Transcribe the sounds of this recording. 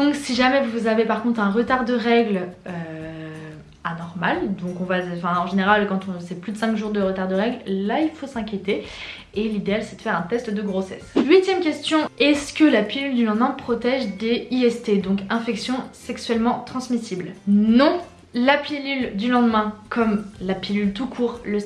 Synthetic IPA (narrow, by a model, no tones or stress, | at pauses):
d̪ɔ̃ksiʒamɛvuvuzavepaʁkɔ̃t̪χɛ̃ʁət̪aʁd̪əʁɛɡlø | anɔʁmald̪ɔ̃kɔ̃vãfɛ̃ɑ̃ʒeneʁalkɑ̃t̪ɔ̃sɛplyd̪əsɛ̃kʒuʁd̪əʁət̪aʁd̪əʁɛɡlːailfosɛ̃kʲjet̪e | elid̪ealsɛd̪əfɛʁɛ̃t̪ɛst̪d̪əɡʁosɛslɥit̪jɛmkʲɛst̪jɔ̃ɛskəlapilyld̪ylɑ̃d̪mɛ̃pχɔt̪ɛʒd̪eiɛst̪ed̪ɔ̃kɛ̃fɛksjɔ̃sɛksɥɛlmɑ̃t̪χɑ̃smisiblnɔ̃ | lapelyld̪ylɑ̃d̪mɛ̃kʰɔmlapilylt̪ukʰuːʁlə